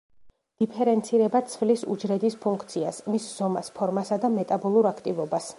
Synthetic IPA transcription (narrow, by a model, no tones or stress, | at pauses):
d̪̥ipʰɛɾɛnt̪sʰiɾɛbat̪sʰvlisṵd͡ʒɾɛd̪ispʰuŋkʰt̪sʰiasmisz̥ɔmaspʰɔɾmasad̪amɛt̪ʼabɔlˠuɾakʰt̪ʼivɔbas